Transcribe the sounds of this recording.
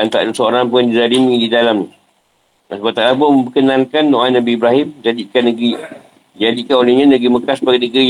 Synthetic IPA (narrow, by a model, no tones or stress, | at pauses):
ant̪a̰ʔdusooɾanpundiɾadimĩdidalamni | asəbat̪aʔlabuməmpəkənãŋkanːoanabiːbɾaɦɪmd͡ʒadikanːəɡɾi | d͡ʒadikanolehɲãnəɡiməkasbaɡinəɡi